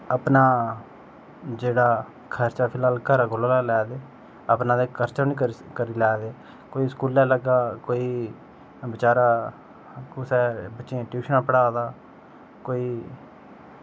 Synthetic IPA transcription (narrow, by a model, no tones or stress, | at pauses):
əpnaː | d͡ʒeːɽaː | kʰəɾt͡ʃaːpʰɪlaːlkʰəɾaːɡoːlaːlɛːlɛːd̪eː | əpnãːd̪eːkəɾt͡ʃaːnĩːkəkəɾiːlɛːd̪eː | koːiːskuːlːɛ̃ːləɡaːkoːiː | bɪt͡ʃaːɾaː | kʊsɛːbətːʃiãːʈjuːʃənãːpəɽaːd̪aː | koːiː